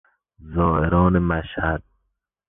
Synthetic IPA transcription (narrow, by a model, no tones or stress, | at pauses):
zɔːeɾɔːnemaʃhad̪̥̚